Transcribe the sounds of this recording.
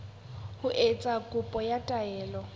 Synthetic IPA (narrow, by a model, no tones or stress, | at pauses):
hʊʔet͡sʼakʼʊpʼɔjatʼaɛːlɔ